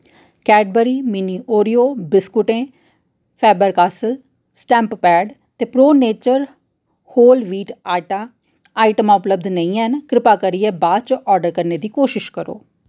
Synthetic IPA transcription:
kɛːɖbəɾiːmiːniːʔoːɾijoːbɪskʊʈẽː | pʰɛːbəɾkaːsəl | sʈɛ̃ːmppɛːɖ | t̪eːpɾoːneːt͡ʃəɾ | hoːlʋiːʈaːʈaː | aːɪʈəmãːʊpləbd̪nəĩːɛnkɾɪpaːkəɾiɛːbaːd̪̚t͡ʃʔɔːɾɖəɾkəɾneːd̪iːkoːʃɪʃkəɾo̰ː

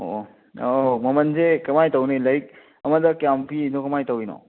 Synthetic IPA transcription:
o̰ | omɐmɐnzekɐmajtɐwnelɐjk̚ | ɐmɐdɐkjampʰidokɐmajtawinɔ̰

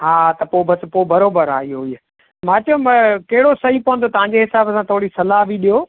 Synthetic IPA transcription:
ɦaːt̪ɐpoːbɐspoːbɐɾoːbəɾa̰ːɦioɦiː | mãːt͡ɕɐomɐ̃kɐɦɪɽosɐɦĩpoɦə̃nd̪ot̪ɐʋ̤ãɲ̆d͡ʑeɦɪsaːbəsãt̪ʰoːɽisɐlaːɦbʱiɗijoː

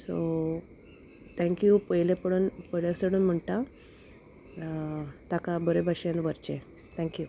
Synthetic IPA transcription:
so | t̪ʰɛ̃ŋkjupəjlepəɽəːnpəjljasəɽuːnm̤əɳʈ̪a | t̪akabəɾebʱaɕenʋəɾt͡ɕẽ | t̪ʰɛ̃ŋkju

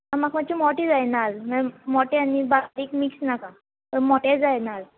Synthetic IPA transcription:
amakmat͡ʃʰimɔʈed͡zajnalmamɔʈeanibaɾikmiksnaka | ɔmɔʈed͡zajnal

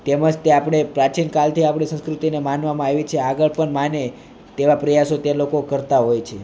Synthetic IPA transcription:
t̪eməd͡ʒt̪eapɽ̃epɾat͡ʃinkalt̪ʰiapɽ̃esə̃skɾut̪inemanʋamãaʋit͡ʃʰeaɡəɭpəɳmane | t̪eʋapɾəjasot̪elokokəɾt̪aɦojt͡ʃʰe

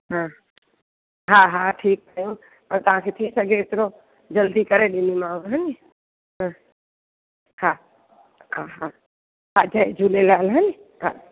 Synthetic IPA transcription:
ɦã | ɦaːɦaʈʰiːk̚t̪ʰəjõ | pɐɾt̪ɐʋ̤ãkʰet̪ʰisɐɡʱeːt̪ɪɾo | d͡ʒɐld̪ikɐɾeɗɪnimãːɦənɪ | ɦã | ha | ɦaɦa | ɦad͡ʒad͡ʒuːlelaːlɦənɪɦa̰

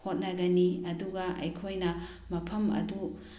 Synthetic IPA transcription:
hot̚nɐɡɐniɐduɡɐʔɐ̰jkʰojnɐ | mɐpʰɐmɐ̰du

